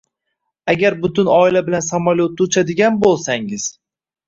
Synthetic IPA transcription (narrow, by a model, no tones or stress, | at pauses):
aɡʲaɾbʊt̪ʊnɒɪlabɪlansamaljot̪ːut͡ʃʰad̪ɪɡʲanbolˠsaŋɪz̥